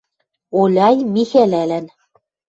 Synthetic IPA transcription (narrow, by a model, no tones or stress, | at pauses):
olʲɑjmixælælæn